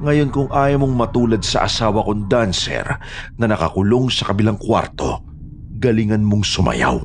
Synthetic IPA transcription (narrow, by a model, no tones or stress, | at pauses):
ŋɐjo̞nkʊŋʔaːjɐmoŋmɐt̪uːlɐd̪̚sɐ̰ʔɐsaːwɐkond̪ansɛ̰ɾ | nɐnɐkɐ̰kʊlo̞ŋsɐkɐbɪlaŋkwa̰ɾt̪o̞ | ɡɐliŋɐnmoŋsʊmʔɐ̰ja̰w